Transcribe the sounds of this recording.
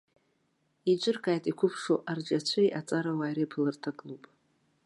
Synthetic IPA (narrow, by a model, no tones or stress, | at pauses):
id͡ʒʷʼɪrɡʼaːjtʼikʷʰʊpʰʂo̰ʔard͡ʒat͡ɕʷʰajʔat͡sʼaɾawajɾipʰɨlɨrtʰaɡʼlupʼ